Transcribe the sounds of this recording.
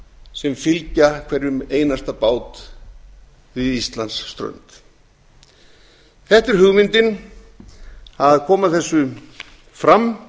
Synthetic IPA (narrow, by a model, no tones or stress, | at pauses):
sɛmfɪlcakʰvɛɾʏmeːjnast̪apaːwt̪ | vɪðist̪lansːt̪ɾœ̰nt̪ | θɛht̪ɪɾ̥ɦʏɣmɪnt̪ɪn | aðkʰɔːmaðθɛsːʏ | fɾam